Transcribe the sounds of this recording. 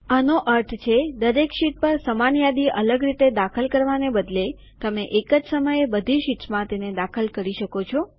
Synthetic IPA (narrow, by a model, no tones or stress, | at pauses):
anoʔəɾʈ̪ʰt͡ʃʰed̪əɾekʃiʈ̚pəɾsəmanjad̪iʔələɡɾit̪ed̪akʰəlkəɾʋanebəd̪le | t̪əmeʔekəd͡ʒsəməjebəd̪ʱiʃiʈsmãt̪ened̪akʰəlkəɾiʃəkot͡ʃʰo